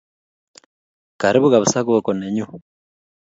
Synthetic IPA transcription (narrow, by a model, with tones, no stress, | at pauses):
ka˨ɾi˦βu˦ɣa˨βu˨sa˦ɣo˦ko˨ne˨ɲu˦